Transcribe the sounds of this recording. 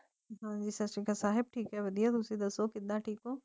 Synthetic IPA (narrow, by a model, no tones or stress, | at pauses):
ɦãd͡ʑisɐsʈikasaːɦɪb̚ʈʰiːkɦaɦeʋɐd̪ʱijad̪usid̪ɐsokɪd̪aʈʰiːkɦõː